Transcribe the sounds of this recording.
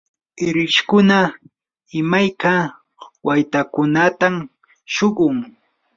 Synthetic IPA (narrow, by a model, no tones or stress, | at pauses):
ɪɾɪʃkʊna | ɪmajka | wajt̪akʊnat̪am | ʃoɢʊŋ